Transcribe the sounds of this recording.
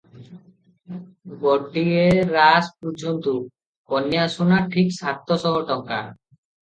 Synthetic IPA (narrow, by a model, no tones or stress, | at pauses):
bɔʈːieɾaspɔɾd͡ʑont̪u | kɔnjasunaʈʰiksat̪ʰːɔsɔɦɔʈɔŋka̰ɾ